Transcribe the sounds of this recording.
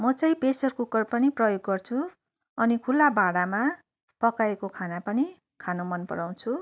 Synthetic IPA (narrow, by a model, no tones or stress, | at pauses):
mʌt͡sʌ̃ĩpesʌrkokʌrpʌniprʌjoɡːʌrt͡sʰu | ʌnikʰulːabaɽama | pʌkaekokʰanapʌni | kʰanomʌnpʌ̰ɽaw̃t͡sʰu